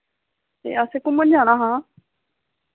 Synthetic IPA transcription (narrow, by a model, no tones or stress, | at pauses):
t̪ḛːəseːkʊməd͡ʒaːɽ̃aːɦãː